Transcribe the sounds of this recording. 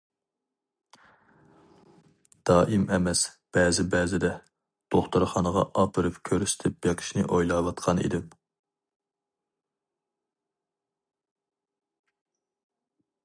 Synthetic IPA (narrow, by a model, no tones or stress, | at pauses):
d̪̥ɑːʔimɛmɛsb̥ɛːzɪbɛːzɪd̪ɛ | d̪̥oχt̪uɾχɑnəʁɑ̰ʔɑpʰɨɾɨpkʲʰøɾyst̪ʰɪp̚jeqʰɪ̥ʃnɨ̰ʔojlˠɑwɑt̪qʰɑnḭd̪ɪm